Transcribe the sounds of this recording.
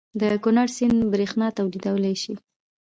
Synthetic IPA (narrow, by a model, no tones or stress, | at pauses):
d̪əkʊnaɽsinbɾexnɑt̪awlid̪awəlajʃi